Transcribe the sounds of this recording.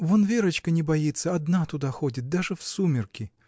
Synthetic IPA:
vonvʲeɾət͡ɕkənʲɪbɐjit̪sːəɐd̪nat̪ʊd̪axo̞dʲɪt̪̚d̪aʐɨfsumʲɪrkʲɪ

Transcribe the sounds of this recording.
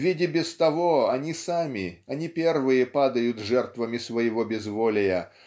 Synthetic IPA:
vʲidʲɪbʲɪst̪ɐvoɐnʲisamʲɪɐnʲipʲervɨjəpad̪əjʊt̪ʐɛrt̪vəmʲɪsvəjɪvobʲɪzvolʲɪjə

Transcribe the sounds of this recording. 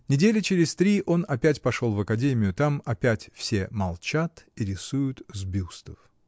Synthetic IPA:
nʲɪdʲelʲɪt͡ɕɪɾʲɪsʲt̪ɾʲiʔo̞nɐpʲætʲpɐʂo̞lˠvəkɐdʲemʲɪjʊt̪amɐpʲætʲfsʲe̞mɐlˠt͡ɕat̪iɾʲɪsujʊt̪zbʲust̪əf

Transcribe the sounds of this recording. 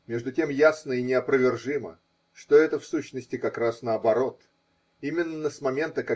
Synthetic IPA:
mʲe̞ʐd̪ʊtʲe̞mjasnəinʲɪɐpɾəvʲɪrʐɨmə̰ | ʂt̪oɛt̪əfsuɕnəsʲtʲɪkɐkɾasnəɐbɐɾo̞t̪ | imʲɪnːəsmɐmʲe̞nt̪əkɐ

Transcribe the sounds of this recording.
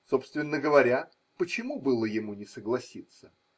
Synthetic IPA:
so̞pst̪vʲɪnːəɡəvɐɾʲa | pət͡ɕɪmubɨlˠəjɪmunʲɪsəɡlˠɐsʲit̪sə

